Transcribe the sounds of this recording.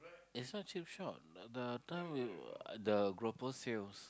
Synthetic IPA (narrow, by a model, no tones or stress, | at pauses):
ɪtsnɔt̚t͡ʃip̚ʃɔt̚ɛdətãɪ̃mwḭdəɡɹopəsels